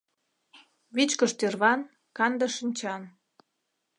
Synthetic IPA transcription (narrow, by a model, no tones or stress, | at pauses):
βit͡ɕkəʃt̪erβɑn | kɑnd̪əʃənʲt͡ɕɑn